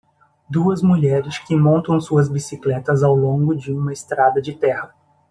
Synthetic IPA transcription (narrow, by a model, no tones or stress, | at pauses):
d̪uɐzmuʎɛɾɪskɪmõnt̪ɐ̃w̃suɐzbisiklɛt̪ɐzawlõŋɡʊd͡ʒɪũmɐɪst̪ɾad̪ɐd͡ʒɪt̪ɛhɐ